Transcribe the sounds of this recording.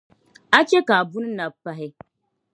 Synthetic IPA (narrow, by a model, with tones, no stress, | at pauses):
a˦t͡ʃe˦ka˨bu˦n˦na˨pːa˦ɦɪ˦